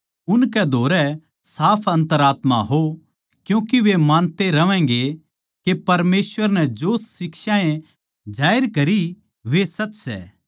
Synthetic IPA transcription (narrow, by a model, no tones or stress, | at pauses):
ʊnkɛd̪ʱoːɾɛ | saːpʰɐ̃nt̪əɾaːt̪ma̰ɦo | kjũːkiʋemãːnt̪eɾɐʋɛ̃ːŋɡe | kepɐɾmeːsʋəɾnɛd͡ʒoːssɪkʃaːẽ | d͡ʒaːɪɾkɐɾi | ʋesɐtːsɛ̰ː